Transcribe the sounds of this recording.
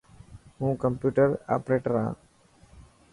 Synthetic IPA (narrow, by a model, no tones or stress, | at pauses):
ɦũːkəmpjuːʈəɾa̰ːpɾeːʈəɾã̰ː